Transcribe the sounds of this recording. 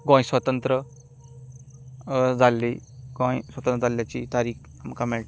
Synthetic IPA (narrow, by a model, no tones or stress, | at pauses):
ɡõj̃swɐt̪ənt̪ɾə | d͡zalːiɡõjswɐt̪ənt̪ɾəd͡zaljat͡ɕḭt̪aɾiːkʰ | amkameʈ